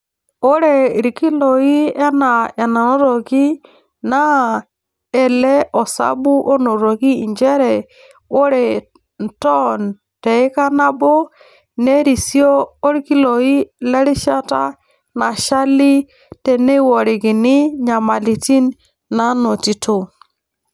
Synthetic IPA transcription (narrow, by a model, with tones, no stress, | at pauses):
o˦ɾɛ˨ɾi˨ki˦lo˨i˦ɛ˦na˨ɛ˨na˨no˦ɾo˨ki˦ | na˦ | ɛ˨lɛ˦ʔɔ˨sa̰˦bu˦ʔo˦no˨ɾo˨ki˦˨ɲd͡ʒɛ˦ɾɛ˨ | o˦ɾɛ˨ | n̩˨tɔ˦n | tɛ˨ɪ˦ka˦na˦bɔ˦ | nɛ˦ɾi˨sjɔː˦ɾi˦ki˦lɔ˨i˦lɛ˦ɾɪ˦ʃa˦ta̰˦ | na˨ʃa˦li˦ | tɛ˨ne˦wɔ˨ɾɪ˨kɪ˨nɪ˦ɲa˨ma˨li˨ti˦n | na˦no˨ti˨tʰo˨